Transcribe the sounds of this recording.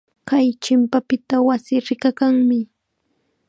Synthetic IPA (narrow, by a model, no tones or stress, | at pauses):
kajt͡ʃɪmpapɪt̪awasɪɾɪkakaŋmɪ